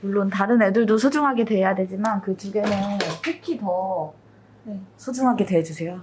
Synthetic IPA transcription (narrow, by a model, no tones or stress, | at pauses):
muɭːontaɾɯne̞duɭdosʰod͡ʑuŋɦaɡe̞dwe̞jadwe̞d͡ʑimankɯt͡ɕuɡe̞nɯpʰekʰitʌ | sʰod͡ʑuŋɦaɡe̞dwe̞d͡ʑusʰe̞jo